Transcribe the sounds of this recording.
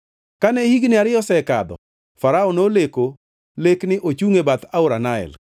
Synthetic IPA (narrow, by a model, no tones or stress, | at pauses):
kanɛhiɡnɪaɾɪɔsɛka̰d̪ɔ̰ | faɾaonoleko | leknɪʔot͡ʃuŋebat̪aʊɾanaɛ̰l